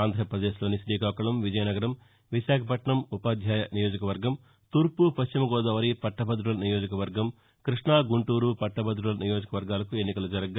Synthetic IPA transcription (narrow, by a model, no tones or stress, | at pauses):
aːnd̪ʱɾɐɐpɾɐd̪eːʃloːniʃɾiːkaːkɐɭɐmʋid͡ʒɐjɐnɐɡɐɾɐm | ʋiʃaːkʰɐpɐʈɳɐmupaːd̪ʱjaːjɐnijo̞ːd͡ʒɐkɐʋɐɾɡɐm | t̪uːɾpupɐʃt͡ʃimɐɡɔːd̪ɐːʋɐɾipɐʈːɐbɐd̪ɾuɭɐnijoːd͡ʒɐkɐʋɐɾɡɐm | kɾiʂɳaːɡuɳʈuːɾupɐʈːɐbɐd̪ɾuɭɐnijo̞ːd͡ʒɐkɐʋɐɾɡaːlɐkuenːikɐlud͡ʒɐɾɐɡ